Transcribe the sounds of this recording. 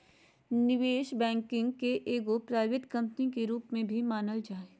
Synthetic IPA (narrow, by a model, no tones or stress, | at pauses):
nɪʋeːʃbɛ̃ːŋkɪ̃ŋɡkeʔeːɡopɾaːʋɪt̪kɐ̃mpnikeɾuːpmẽbʱimaːnəld͡ʒaːe